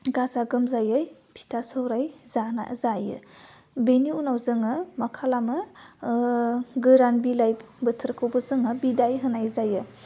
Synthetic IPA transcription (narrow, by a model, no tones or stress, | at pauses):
ɡazaɡɯmzajɯj | pʰi̥tʰasɯwɾajzana̰zajɯ̰ | beniunawzɯŋɯmakʰalamɯ | ɡɯɾanbilajb | bɯtʰɯɾkʰawbɯzɯŋɯbidajɦɯnajzajɯ